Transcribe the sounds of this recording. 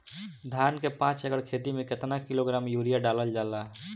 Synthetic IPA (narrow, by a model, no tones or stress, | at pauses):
d̪ʱjankepãt͡ʃeɡəɽkʰet̪imeket̪nakiloɡɾamjuɾijaɖaləld͡ʒala